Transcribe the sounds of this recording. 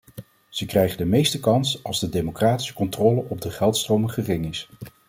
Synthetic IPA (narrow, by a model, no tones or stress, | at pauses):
z̥əkrɛjχəndəmejstəkɑnsɑlˠzdədejmokraːti̥sə̥kɔntrɔːləʔɔb̚dəχɛlˠtstrowməχərɪŋɪs